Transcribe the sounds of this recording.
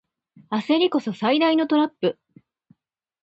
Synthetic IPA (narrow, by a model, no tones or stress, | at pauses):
ase̞ɾʲiko̞sosaid̪aino̞t̪o̞ɾapːɯ̟